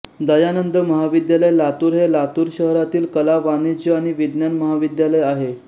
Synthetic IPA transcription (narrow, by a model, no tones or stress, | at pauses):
d̪əjanənd̪əməɦaʋid̪jaləjlat̪uːɾɦelat̪uːɾɕəɦɾat̪iːlkəlaʋanet͡ɕəaɽ̃iʋid̪njanməɦaʋid̪jaləjaɦe